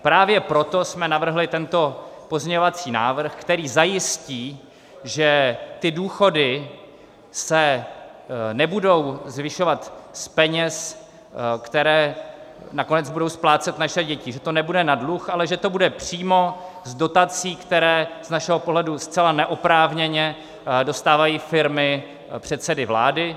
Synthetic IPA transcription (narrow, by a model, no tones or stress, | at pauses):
pɾaːvjɛpɾo̞t̪o̞smɛnavr̩ɦlɪt̪ɛnt̪o̞po̞zɲɛɲovat͡siːna̰ːvr̩xkt̪ɛɾiːzajɪsciː | ʒɛt̪ɪduːxo̞dɪ | sɛ | nɛbudo̞wzvɪʃo̞vat̪spɛɲɛs | kt̪ɛɾɛːnako̞nɛd͡zbudo̞wsplaːt͡sɛt̪naʃɛɟɛcɪʒɛt̪o̞nɛbudɛnadluxʔalɛʒɛt̪o̞budɛpr̝̥iːmo̞ | zdo̞t̪at͡siːkt̪ɛɾɛːz̥naʃɛɦo̞poɦlɛdust͡sɛlanɛʔopɾaːvɲɛɲɛ | do̞st̪aːvajiːfɪɾmɪ | pr̝̥ɛt̪sɛdɪvla̰ːdɪ